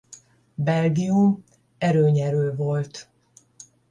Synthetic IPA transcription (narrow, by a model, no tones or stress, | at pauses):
bɛlɡijum | ɛɾøːɲɛɾøːvo̞lt̪